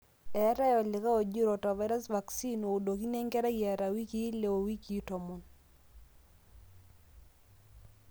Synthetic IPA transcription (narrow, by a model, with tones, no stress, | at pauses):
ɛ˨˦ɾa˦jɔ˨lɪ˨ka˦o˨d͡ʒu˦ɾɔ˨tɔ˨va˦ɾa˦sva˨ksi˦no˨u˨do˨ki˦ne˦ŋɡɛ˦ɾa˦jɛ˨ɾa˨wi˦ki˦le˨o˨wi˦ki˨˦tɔ˨mu˨n